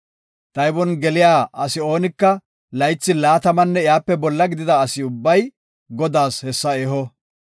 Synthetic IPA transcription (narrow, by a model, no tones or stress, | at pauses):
t̪ɐjbɔnɡɛlɪjaːʔɐsɪo̞ːnɪkːɐ | lɐjt͡sːɪlaːt̪ɐmɐnːɛɪjaːpːɛbɔlːɐɡɪd̪ɪd̪ɐːsɪʊbːɐj | ɡɔd̪aːshɛsːɐeːɦɔ